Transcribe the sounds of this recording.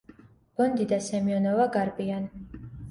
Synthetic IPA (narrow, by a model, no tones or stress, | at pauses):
b̥ɔnd̪id̪asɛmiɔnɔvaɡaɾbian